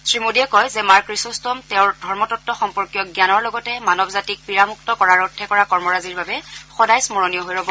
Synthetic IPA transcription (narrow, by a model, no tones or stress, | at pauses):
sɹimodiɛkɔjzɛmaɹkɹisustɔmtɛ̃ʊ̃ɹdʱɔɹmɔtɔtːɔxɔmpɔɹkjɔɡjanɔɹlɔɡɔtɛmanɔbzatik̚piɹamuk̚tɔkɔɹaɹɔtʰːɛkɔɹakɔɹmɔɹaziɹbabɛxɔdajsmɔɹonijɔɦojɹɔbɔ